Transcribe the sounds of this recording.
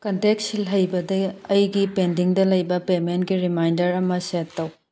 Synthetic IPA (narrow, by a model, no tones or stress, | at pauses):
kɐntek̚silɦɐjbɐdɐɐjɡipendiŋdɐlɐjbɐpementɡiɾimajndɐɾɐmɐsetːɐw